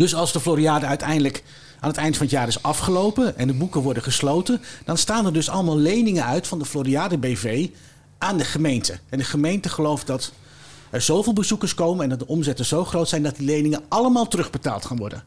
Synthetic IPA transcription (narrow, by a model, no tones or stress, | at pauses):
d̥ɵsɑlˠzdəfloɾiaːdəœɥtɛjndələk | aːnətɛjntəfɑnətjaːɾɪsɑfχəlowpənɛ̰ndəbukəʋɔɹdəχəslowtəd̥ɑnstaːnɛɹdɵsɑ̰ləmaːlˠlejnɪŋənœɥtfɑndəfloɾiaːdəbejvej | ʔaːndəχəmejntəɛndəχəmejntəχəlowft̚dɑt | ɛɹz̥owvɪːlˠbəzukəɹskowmənɛndɑt̚dəʔɔmzɛtənz̥owχrowtsɛjndɑt̚dilejnɪŋənʔɑləmaːlˠtərɵχbəta̰ːlˠtχanʋɔ̰ɹdə̰n